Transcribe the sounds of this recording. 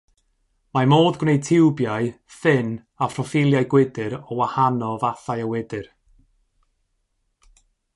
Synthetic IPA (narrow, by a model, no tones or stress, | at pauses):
mamoːdɡnej̚tʰɪwbjaɨ | fɪn | afrɔfɪlˠjajɡwɪdɨɾɔwahanɔvaθajəwɪdɨr